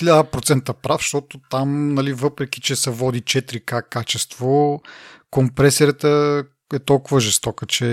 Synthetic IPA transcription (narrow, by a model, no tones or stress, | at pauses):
xilʲad̪əpɾot̪sɛnt̪əpɾafʃt̪ɔt̪ot̪amnɐlivɤpɾɛk̟i̥t͡ʃɛsɛvɔd̪it͡ʃɛt̪ɾikakːat͡ʃɛst̪vo | kompɾɛsɛɾət̪ə | ɛt̪ɔlˠkʊvəʒɛst̪ɔkət͡ʃɛ